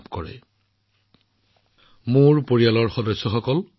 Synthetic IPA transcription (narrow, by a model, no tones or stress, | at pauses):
pkɔɹɛ̰ | muɹpoɹijalɔɹxɔdɔsːɔxɔkɔl